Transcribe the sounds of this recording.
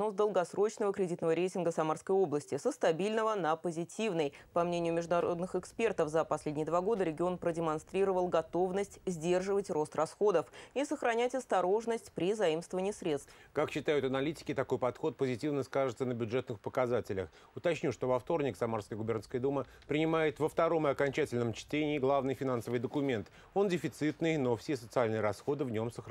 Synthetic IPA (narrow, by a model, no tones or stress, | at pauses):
nosd̪əlˠɡɐsɾo̞t͡ɕnəvəkɾʲɪdʲit̪nəvəɾʲejtʲɪnɡəsɐmarskəjo̞blˠəsʲtʲɪsəst̪ɐbʲilʲnəvənəpəzʲɪtʲivnəjpɐmnʲenʲɪjʊmʲɪʐd̪ʊnɐɾo̞d̪nɨxɪkspʲe̞rt̪əfzəpɐsʲlʲedʲnʲɪjəd̪vaɡo̞d̪əɾʲɪɡʲɪo̞npɾədʲɪmanst̪ɾʲiɾəvəlˠɡɐt̪o̞vnəsʲtʲzʲdʲe̞rʐɨvətʲro̞st̪rɐsxo̞d̪əfisəxɾɐnʲætʲɐst̪ɐɾo̞ʐnəsʲtʲpɾʲɪzɐimst̪vəvənʲɪiːsɾʲe̞t̪st̪kakɕːɪt̪ajʊt̪ɐnɐlʲitʲɪ̥kʲɪt̪ɐko̞jpɐt̪xo̞t̪̚pəzʲɪtʲivnəskaʐɨt̪sənəbʲʊʐɛt̪nɨxpəkɐzatʲɪlʲəx | ʊt̪ɐt͡ɕnʲuʂt̪o̞vɐft̪o̞rnʲɪksɐmarskəjəɡʊbʲernskəjəd̪umə | pɾʲɪnʲɪmajɪt̪vəft̪ɐɾo̞mɨɐkɐnʲt͡ɕætʲɪlʲnəmt͡ɕtʲenʲɪːɡlˠavnɨjfʲɪnansəvɨjd̪əkʊmʲe̞nt̪ | o̞ndʲɪfʲɪt̪sɨt̪nɨjnofsʲesət̪sɨalʲnɨjəɾɐsxo̞d̪ɨvnʲo̞msəx